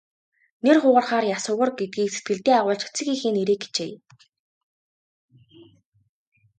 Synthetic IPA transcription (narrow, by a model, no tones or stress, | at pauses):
nerχʊːʁə̆rχaːrjasʊːʁə̆rɡet̪̚ɡiːkset̪̚ɡɘ̆ɮt̪eːaʁʊːɮt͡ɕʰt͡sɘ̆xiːxeːneɾeːk̚ɡe̥t͡ɕeː